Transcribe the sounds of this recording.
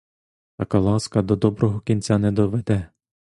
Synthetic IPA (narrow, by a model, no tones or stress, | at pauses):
t̪ɐkɑlˠɑskɐd̪ɔd̪ɔbɾɔɦɔkʲinʲt͡sʲanɛd̪ɔʋɛd̪ɛ